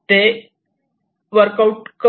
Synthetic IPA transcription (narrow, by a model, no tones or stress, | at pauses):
ʈe | ʋəɾkauʈkə